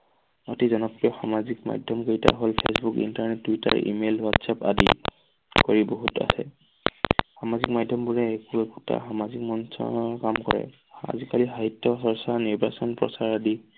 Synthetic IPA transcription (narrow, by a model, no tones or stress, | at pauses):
otizɔnɔpɹijɔxa̰mazikma̰dʱjɔmɡejta̰ɦolpʰesbukḭntaɹnɛtːwita̰ɹḭmelwatsapa̰di | koɹiboɦuta̰sɛ̰ | xamazik̚madʱːɔmbuɹɛekuɛkuta̰xamazik̚mɔnsɔ̰ɔkamkɔɹɛ̰ | a̰zikaliɦaɦitːɔsɔɹsaɹniɹbʱasɔnpɹɔ̰saɹadi